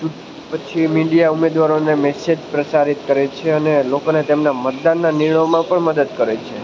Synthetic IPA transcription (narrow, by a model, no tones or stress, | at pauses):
u | pət͡ʃʰimiɖijaumed̪ʋaɾonemɛsed͡ʒpɾəsaɾit̪kəɾet͡ʃʰeənelokonet̪emnamət̪̚d̪anːaniɳ̃əmãpəɳməd̪əd̪kəɾet͡ʃʰe